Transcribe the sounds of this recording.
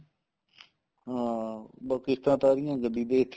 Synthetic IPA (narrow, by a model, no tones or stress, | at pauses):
ɦãːbakɪst̪ãːt̪aːɾɪjãːɡəd̪iːd̪eːt̪ʰː